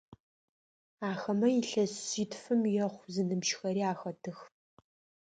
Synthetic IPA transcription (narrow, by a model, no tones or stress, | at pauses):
aːxɐmɐjiɬɐsitʰfɨmjɛχʷzɨnɨmʃxɐɾiːaːxɐtʰɨx